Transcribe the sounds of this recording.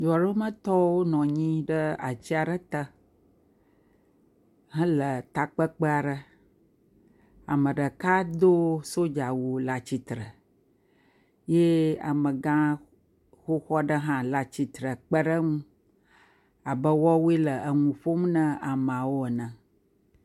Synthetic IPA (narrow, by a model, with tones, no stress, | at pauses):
d͡ʒɔ˨ɖo˦mə̃˦t̪ɔ˦wo˦nɔ̃˨ɲĩ˦ɖə˦a̰˨t͡ɕi˦a˨ɖə˦t̪ə˦ | ɦə̃˦lə˨t̪a˨k͡pə˦k͡pə˦a˨ɖə˦ | a̰˨mə̃˨ɖə˨ka˦d̪o˦so˦d͡ʒa˨wu˨la˨t͡ɕi˨t̪ɾə˨ | je˦a̰˨mə̃˨ɡã˦ | xo˦xɔ˦ɖə˦ɦã˦la˨t͡ɕi˨t̪ɾə˨k͡pə˦ɖə˦ŋũ˦ | a˨bə˦wɔ˦wu˦e˦lə˨ʔə˨ŋũ˨ɸo˦m˦nə̃˦a˨m˨ã˨wo˦ə˨nə̃˨